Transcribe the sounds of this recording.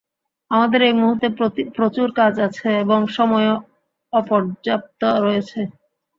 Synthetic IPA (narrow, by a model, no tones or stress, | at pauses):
amad̪eɾejmuɦuɾt̪ːepɾot͡ɕuɾkad͡ʑat͡ɕʰeeboŋʃɔmɔe | ɔpɔɾd͡ʑap̚t̪oɾɔjet͡ɕʰe